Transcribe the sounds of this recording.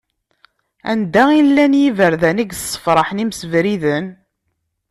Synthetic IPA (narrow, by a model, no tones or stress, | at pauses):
æ̰nd̪æilːænjivəɾðæniɡsˤːə̥fɾˤɑħnimsəvɾiðən